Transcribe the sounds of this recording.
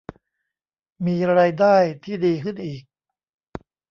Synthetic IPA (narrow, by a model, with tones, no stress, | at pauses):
miː˧ɾaː˧jdaː˥˩jt̪ʰiː˥˩diː˧kʰɯ˥˩nʔiː˨˩k̚